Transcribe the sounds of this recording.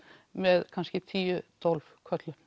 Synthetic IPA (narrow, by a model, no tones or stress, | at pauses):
mɛðkʰanscɪt̪ʰiːʏt̪ʰɔlfkʰœt̪lʏ